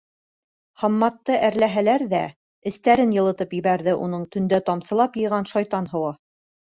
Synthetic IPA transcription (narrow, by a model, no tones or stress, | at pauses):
χɑmːɑt̪ːɤʔæɾlæɦælæɾðæ | ɘ̆st̪æɾɘnjɤ̆lˠɤ̆t̪ɤpjɘ̆βæɾðɘʔunɤɴt̪ɵ̆nd̪æt̪ɑmsɤ̆lˠɑpjɤ̆jʁɑnʃɑjt̪ɑnɦɤ̆wɑ